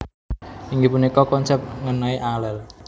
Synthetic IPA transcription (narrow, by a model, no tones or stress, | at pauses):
iŋɡipunikɔkɔnsɛp̚t̪̚ŋənaiʔalɛl